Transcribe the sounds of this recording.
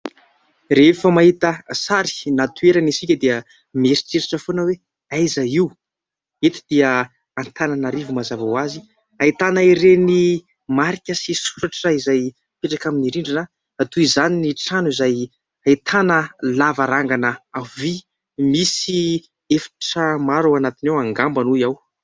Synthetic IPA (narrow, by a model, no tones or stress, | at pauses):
refəmaɦit̪əsaɾi̥nat̪ueɾanisikʲəd̪eə | meɾi̥t͡seɾaʈ͡ʂəfonəwe | ajzaiw | et̪i̥d̪̥iə | ant̪ʰanənaɾivumazavawazi | ait̪anaiɾeni | maɾikʲəsisuɾaʈ͡ʂəizaj | peʈ͡ʂakaminiɾiɳɖ͡ʐina | at̪uizaniniʈ͡ʂanuizaj | ait̪ʰanəlavaɾaŋɡanəavi | misi | efḁʈ͡ʂəmaɾawanat̪inawaŋɡambanujaw